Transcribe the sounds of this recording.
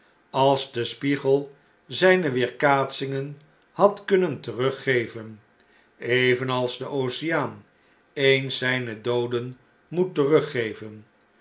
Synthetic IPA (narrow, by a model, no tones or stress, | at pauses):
ɑlˠzdəspiχəlˠ | zɛjnəʋɪːɹkaːtsɪŋən | hɑtkɵnəntərɵχejvən | ejvənɑlˠzdəʔowsɪjaːn | ejnsɛjnədowdən | mutːərɵχejvən